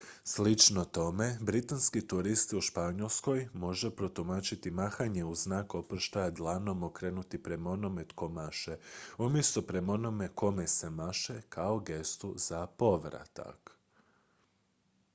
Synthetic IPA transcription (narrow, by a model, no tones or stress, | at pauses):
slit͡ʃno̞t̪o̞me̞bɾit̪anskit̪uɾist̪iuʃpaɲolˠsko̞jmo̞ʒepɾot̪umat͡ʃit̪imaxaɲe̞uznaːko̞pr̩ʃt̪ajad̪lˠano̞mokɾe̞ːnut̪ipɾe̞mao̞no̞me̞t̪ko̞maʃeumje̞st̪opɾe̞mo̞no̞me̞ko̞mese̞maʃekʰao̞ɡe̞st̪uzapo̞ʋɾa̰t̪a̰k